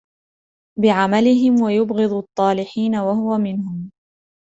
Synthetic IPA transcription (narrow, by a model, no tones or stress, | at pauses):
bɪʕamalɪɦɪmwajʊbɣɨd̪ˤɑt̪ˤːɑːlɪħiːnawahʊwamɪnhʊm